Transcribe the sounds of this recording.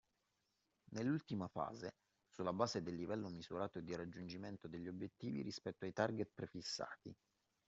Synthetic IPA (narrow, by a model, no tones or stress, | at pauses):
nelːult̪imafa̰ːze | sulːabaːzed̪elːivɛlːomizuɾaːt̪oed̪iɾad͡ʒːund͡ʒiment̪od̪eʎːiobjet̪ːiːvḭɾispɛt̪ːoajt̪arɡet̪̚pɾefisːa̰ːt̪ḭ